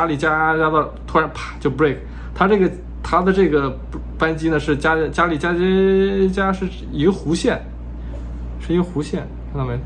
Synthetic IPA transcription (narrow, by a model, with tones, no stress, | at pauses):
a˥li˨˩t͡ɕja˥t͡ɕja˥d̪ə˧˩ | t̪ʰu˥ɻa˧˥npʰḁ˨˩t͡ɕjo˥˩ʊpu˧˥le˥˩ɪkʰ | t̪ʰa˥ʈ͡ʂɤ˥˩ɡə˩ | t̪ʰa˥d̪ə˨ʈ͡ʂɤ˥˩ɡə˩ | pa˥nt͡ɕi˥nə˨ʂɻ̩˥˩t͡ɕja˥t͡ɕja˥li˨˩t͡ɕja˥t͡ɕja˥ʂɻ̩˥˩ | i˧˥ɡə˧xu˧˥ɕjɛ˥˩n | ʂɻ̩˥˩i˧˥ɡə˧xu˧˥ɕjɛ˥˩n˧˥na˧˩m˧˥